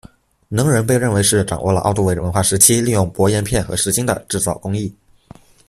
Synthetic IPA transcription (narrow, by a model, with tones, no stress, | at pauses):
nɤ˧˥ŋɻə˧˥npe˥˧ɪɻə˥˩nwe˧˥ɪʂɻ̩˥˩ʈ͡ʂɑ̰˨˩ŋwʔɔ˥˩lə̰˩ʔɑ˥˧ʊt̪u˥˩e˧˥ə˧˥˩wə˧˥nxwa˥˩ʂɻ̩˧˥t͡ɕʰi˥li˥˧jʊ˥˩ŋpwɔ˧˥jɛ˥˧npʰjɛ˥˩nxɤ˧˥ʂɻ̩˧˥t͡ɕi˥ŋd̪ə̰˨ʈ͡ʂɻ̩˥˧t͡sɑ˥˩ʊkʊ˥ŋi˥˩